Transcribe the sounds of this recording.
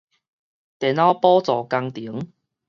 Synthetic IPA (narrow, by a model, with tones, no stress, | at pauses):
t̪ɛ˨˩na˧˥pɔː˦˥t͡sɔ˨˩ka˧ŋt̪i˨˦ŋ